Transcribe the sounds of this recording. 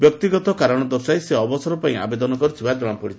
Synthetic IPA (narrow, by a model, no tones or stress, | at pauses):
bjɔk̚t̪iɡɔt̪ɔkaɾɔɽ̃ɔd̪ɔsajseɔbɔsɔɾɔpaĩa̰bed̪ɔnɔkɔɾit̪ʰibaɾed͡ʒɔɽ̃ɔpɔɽit̪ʰi̥